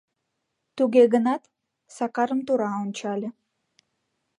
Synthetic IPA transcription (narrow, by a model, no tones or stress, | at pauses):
t̪yɡʲeɡənɑt̪ | sɑqɑɾəmt̪uɾɑont͡ɕɑlʲə